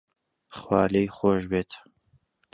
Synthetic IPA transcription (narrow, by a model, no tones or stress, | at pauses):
χwɑ̰ːlejxoːʒbeːt̪